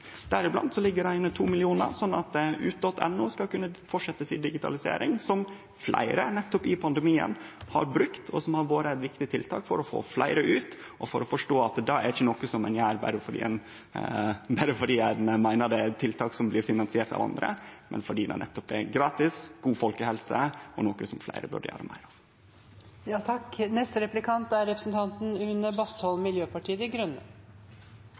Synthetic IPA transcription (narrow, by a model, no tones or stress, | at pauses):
d̪̥æɾɪblɑ̰nd̪sɔlɪɡːəɾæɪnːət̪ʰuːmɪlɪuːnə̰ɾsɔnːɑt̪̚ʉ̰ːt̪ɔt̪ʰɛ̰nːuːskɑlkʉnːəfɔʈʂɛt̪ːəsɪnd̪ɪɡɪt̪ʰɑ̰lɪsḛːɾɪŋsɔm | flʔæ̰ɪɾənɛt̪ːɔpɪpʰɑnd̪əmiːə̰nhɑ̰ɾbɾʉkt̪ʰɔsɔmhɑɾʋoːɾəɛt̪ʋɪkt̪ɪt̪ʰɪlt̪ʰɑ̰ːkfɔ̰ɾɔfo̰ːflæ̰ɪɾəʔʉːt̪ | ʔɔfɔɾɔfɔʂʈoːɑt̪d̪ɑæɾɪçːənɔkːəsɔmɛnjæːɾbæ̰ɾəfɔɖḭːɛ̰n | bæɾəfɔɖiːænmæɪnəɖ̪ɛt̪ʰɪlt̪ʰɑːksɔmblɪɾfɪnɑnsɪeːɾt̪ɑ̰ʋɑ̰nd̪ɾə̰mɛ̰nfɔɖiːd̪ɛ̰nɛ̰t̪ːɔpɛ̰ɾɡɾɑːt̪ɪsɡ̥uːfɔlkəhɛlsəʔɔnoːkəsɔmflæ̰ɪɾəbʉ̰ɖə̰jø̰ːɾə̰mʔæ̰ɪɾɑʋ | jɑːt̪ʰɑknɛst̪əɾɛplɪkʰɑnt̪æɾɾɛpɾəsn̩t̪ʰɑnt̪n̩ʉnəbɑst̪ɔlmɪljøːpɑʈʰiːəd̪ɪɡɾʉnːə